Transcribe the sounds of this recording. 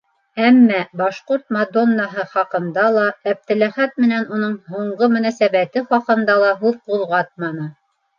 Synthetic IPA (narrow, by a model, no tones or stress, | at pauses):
æmːæbɑʃquɾt̪̚mad̪onːɑɦɤχɑqɤ̆nd̪ɑlˠɑæp̚t̪ɘ̆læχæt̪̚mɘ̆nænunɤɴɦuɴɢɤmɵ̆næsæβæt̪ɘχɑqɤ̆nd̪ɑlˠɑɦʉðquðˠʁɑt̪̚mɑnɤ